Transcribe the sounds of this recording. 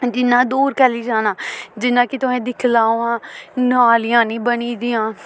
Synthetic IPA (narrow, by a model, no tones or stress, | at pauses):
d͡ʒɪnːãːd̪uːɾkɛːliːd͡ʒaːnaːd͡ʒɪnːãːkɪt̪ʊɛ̃ːd̪ɪkʰlaːãːnaːlɪjãːnĩːbəniːd̪iːãː